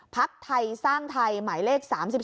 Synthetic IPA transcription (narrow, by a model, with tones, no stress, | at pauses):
pʰa˦˥k̚t̪ʰa˧jsaː˥˩ŋt̪ʰa˧jmaː˩˦jleː˥˩k̚saː˩˦msi˨˩